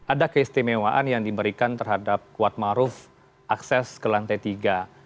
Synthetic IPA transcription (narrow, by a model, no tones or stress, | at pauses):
ʔadakəist̪imewaʔanjaŋdibəɾikant̪ərɦadap̚kuat̪̚maɾʊf | ʔaksɛskəlant̪ajt̪iɡa